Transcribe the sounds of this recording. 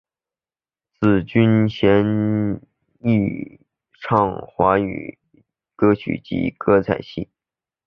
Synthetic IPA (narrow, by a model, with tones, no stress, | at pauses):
t͡sɹ̩˥˨˩t͡ɕy˥nɕjɛ˧˥n | i˥˧˩ | ʈ͡ʂʰɑ˥˩ŋxwa˧˥y̰˨˩ | kɤ˥t͡ɕʰy̰˨˩t͡ɕḭ˧˥kɤ˥t͡sʰa˨˩ɪɕḭ˥˩